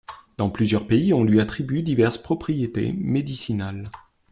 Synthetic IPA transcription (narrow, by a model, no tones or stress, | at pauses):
d̪̥ɑ̃plyzjœʁpeiɔ̃lɥiat̪χibɥyd̪ivɛʁspχɔpχijet̪ḛmed̪isinal